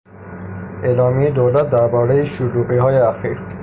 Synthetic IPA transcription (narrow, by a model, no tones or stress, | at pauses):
ʔeːlɒːmied̪owlæt̪̚d̪æɾbɒːɾejeʃulubiɦɒːjeæxiːɾ